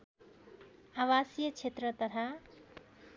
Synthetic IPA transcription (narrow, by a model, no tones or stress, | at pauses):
awasjʌt͡sʰet̪rʌt̪ʌt̪ʰa